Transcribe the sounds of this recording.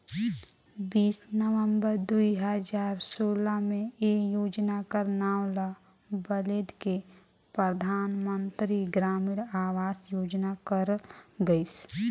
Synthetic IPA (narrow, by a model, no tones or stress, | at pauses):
biːsnəʋə̃mbəɾd̪uiɦəd͡ʒaːɾsoːlamẽejoːd͡ʒnakəɾnaːwla | bəleːd̪ke | pɾəd̪ʱaːnmə̃nt̪ɾiɡɾaːmɪɽaːwaːsjoːd͡ʒnakəɾɡəis